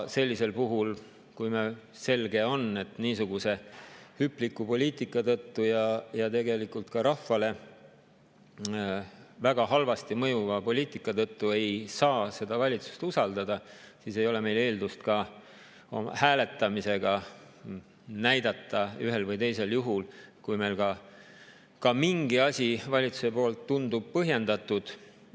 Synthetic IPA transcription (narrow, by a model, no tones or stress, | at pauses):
se̞lʲːise̞lpuɦul | kujme | se̞lɡe̞o̞ne̞t̪niːsuɡuse̞hypːˑlikːˑupo̞lʲiːt̪ˑikːˑɑt̪ɤt̪ːujɑjɑt̪e̞ɡe̞likult̪kɑɾɑfːɑle̞ | væɡ̥ɑɦɑlvɑst̪imɤ̞juvɑpo̞lʲiːt̪ˑikːˑɑt̪ɤt̪ːue̞jsɑːse̞d̪̥ɑvɑlʲit̪su̥st̪usɑld̪ɑd̪̥ɑsiːse̞jo̞le̞me̞jle̞ːld̪ust̪kɑ | o̰m̰hæːle̞t̪ːˑɑmise̞ɡ̥ɑ | næjd̪̥ɑt̪ːˑɑyɦelvɤjt̪e̞jse̞ljuɦulkujme̞jlkɑ | kɑmiŋɡ̥iɑsʲivɑlʲit̪su̥se̞po̞ːlt̪ːund̪ub̥̚pɤɦje̞nd̪ɑt̪ːˑud̪̥